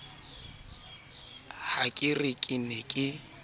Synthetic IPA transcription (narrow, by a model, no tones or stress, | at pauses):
hakʼɪrɪkʼɪnekʼɪ